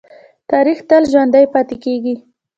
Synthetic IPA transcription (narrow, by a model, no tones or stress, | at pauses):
t̪ɑɾixt̪əlʒwand̪ajpɑt̪ekeɡi